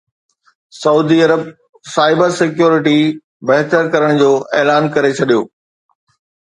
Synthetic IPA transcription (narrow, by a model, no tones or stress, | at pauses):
sɐuːd̪iɐɾəb̚ | saːɪbəɾsɪkjuːɾɪʈi | bɐɦt̪əɾkɐɾəɽ̃d͡ʑoːʔeːlaːnkɐɾet͡ɕʰɐɗijoː